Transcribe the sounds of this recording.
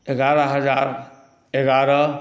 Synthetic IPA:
eɡaɾəɦəd͡ʒaːɾ | eɡaɾə

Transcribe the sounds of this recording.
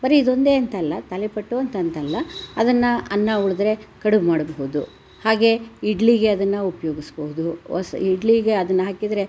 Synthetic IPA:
bɐɾiid̪o̞nd̪e̞ːɐnt̪ɐɐlːɐt̪ɐlepɐʈːuɐnt̪ɐnt̪ɐlːɐɐd̪ɐnːɐɐnːɐuɭɐd̪ɾe̞kɐɽumaːɽɐboɦud̪u | haːɡe̞iɖliɡe̞ɐd̪ɐnːɐupɐjoːɡisboɦud̪uɔ̰siɖliɡeɐd̪ɐnːɐɦaːkid̪ɾe̞

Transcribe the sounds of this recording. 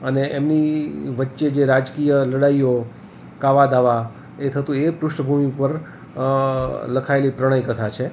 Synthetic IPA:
əneʔemniʋətːʃed͡ʒeɾad͡ʒkijələɽaijo | kaʋad̪aʋa | et̪ʰət̪ũepɾʊʃʈəbʱumiupəɾ | ləkʰaelipɾəɽ̃əjkət̪ʰat͡ʃʰe

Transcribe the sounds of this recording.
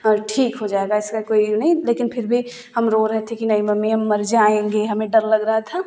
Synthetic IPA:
ɔːɾʈʰiːkɦod͡ʒaːeɡaɪskakoːinɐɦĩleːkɪnpʰɪɾbʱi | ɦɐmɾoːɾɛɦt̪ʰẽkinɐimɐmːiɦɐmːɐɾd͡ʒaːẽːŋɡeɦɐmẽɖɐɾlɐɡɾəɦat̪ʰa

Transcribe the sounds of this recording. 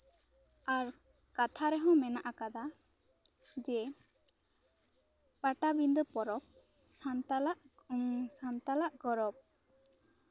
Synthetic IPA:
aɾkat̪ʰaɾɛɦɔ̃mɛnaʔakad̪a | d͡ʒɛ | paʈabind̪ɔpɔɾɔp̚sant̪alaʔ | sant̪alaʔɡɔɾɔp̚

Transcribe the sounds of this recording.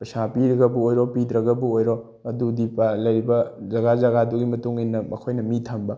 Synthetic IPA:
pɐsapiɾɐɡɐbuojɾopidɾɐɡɐbuojɾo | ɐdudipalɐjɾibɐzɐɡazɐɡaduɡimɐtuŋinːɐmɐkʰojnɐmitʰɐmbɐ

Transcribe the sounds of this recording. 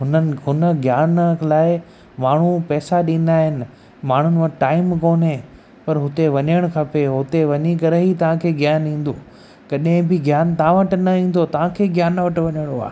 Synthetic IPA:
ɦʊnənɦʊnəɡjaːnlaːɪ | maːɳ̤upɛːsaɗĩːn̆d̪aːɦɪnɪ̆ | maːɳ̤ʊnɪ̆ʋɐ̃ʈaːɪmkoːnɦẽ | pɐɾɦʊt̪eʋɐɲəɽ̃kʰɐpeɦʊt̪eʋɐɲikɐɾeɦit̪ɐʋ̤ãkʰeːɡjaːnĩːn̆d̪oː | kɐɗɦɪ̃bɪɡjaːnt̪ɐãʋɐʈnɐĩːn̆d̪ot̪ɐʋ̤ãkʰeːɡjaːnʋɐʈʋɐɲəɽ̃oa̰ː

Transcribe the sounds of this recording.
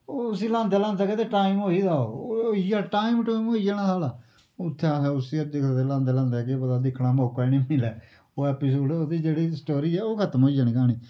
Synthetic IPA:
oːsiːlãːnd̪ɛːlãːnd̪aːkeːt̪eːʈaːɪmɦoːiːd̪aːo̰ːoiːd͡ʒaːʈaːimʈaːimoːiːd͡ʒaːɽ̃aːsaːlaː | ʊt̪ʰːeasɛːʊsiːəd̪ekːt̪eːlãːnd̪ɛːlãːnd̪ɛːkepəd̪aːd̪ɪkʰɽ̃ãːmoːkaniːmɪlɛː | oːɛːpiːs̬oːɖoːd̪iːd͡ʒeːɽiːsəʈoːɾiːɛːoːkʰət̪əmɦoːiːd͡ʒaːnĩːkaːñiː

